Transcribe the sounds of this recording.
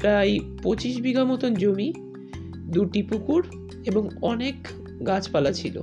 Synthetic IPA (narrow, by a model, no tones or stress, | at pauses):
pɾajpot͡ɕiʃbiɡamot̪ond͡ʑomi | d̪uʈipukuɾ | eboŋɔnek | ɡat͡ɕpalat͡ɕʰilo̰